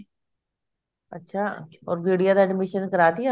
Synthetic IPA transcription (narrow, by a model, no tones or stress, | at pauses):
ətːʃʰaː | ɔ̰ːɾɡeːɽijaːd̪aːɖɪmɪʃənkəɾaːt̪ia